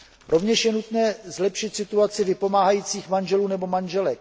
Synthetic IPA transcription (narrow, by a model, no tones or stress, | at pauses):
ɾo̞vɲɛʃjɛnut̪nɛːzlɛpʃɪt̪sɪt̪uat͡sɪvɪpo̞maːɦajiːt͡siːxmanʒɛluːnɛbo̞manʒɛlɛk̚